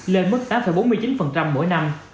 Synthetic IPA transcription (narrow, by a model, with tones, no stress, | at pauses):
le˧nmə˦˥t̚t̪aː˨˦mfə˧˩jɓo˨˦nmɨ˧ət͡ɕi˨˦nfə˨˩nt͡ɕa˧mːo̰˧˥jna˧m